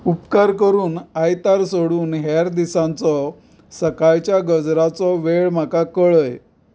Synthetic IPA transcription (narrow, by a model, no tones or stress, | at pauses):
upkaɾkəɾuːnajt̪aɾsoɽuːnɦaɾd̪isãnt͡sɔ | səkajt͡ɕjaɡəd͡zɾat͡sɔʋeɭm̤akakəɭəj